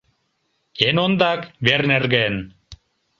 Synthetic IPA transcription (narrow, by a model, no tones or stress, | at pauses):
enond̪ɑkβernerɣen